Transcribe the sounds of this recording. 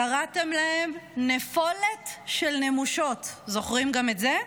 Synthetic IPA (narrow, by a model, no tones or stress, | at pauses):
kaʁate̞mlahe̞mnefo̞le̞tʃelnemuʃo̞tzo̞χʁimɡame̞tze